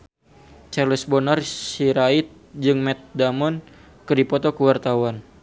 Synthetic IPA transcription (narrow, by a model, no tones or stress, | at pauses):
t͡ʃarləsbɔnarsiɾait̪̚d͡ʒɨŋmɛt̪̚damɔn | kɨrdipɔt̪ɔkəwart̪awan